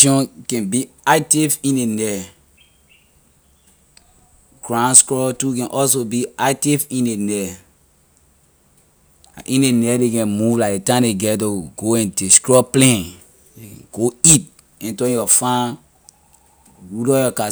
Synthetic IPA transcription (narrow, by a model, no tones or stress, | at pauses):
ʃɔ̃nkɛ̃nbiaɪtifĩnenɛ | ɡɹãnskɹɔtukɛ̃nʔɔls̬obiatifĩnenɛ | ʔĩnenɛdekɛ̃nmuvlakdetãneɡɛtoɡ̥oɛ̃nteskɹɔplɛ̃n | ɡ̥oit̚ | ɛ̃ntɔ̃jɔfã | wudɔjɔka